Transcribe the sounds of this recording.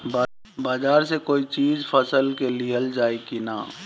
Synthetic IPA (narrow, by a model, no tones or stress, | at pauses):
baːd͡ʒaːɾsekoːit͡ʃiːzfʰəsəlkeliɦəld͡ʒaːekina̰ː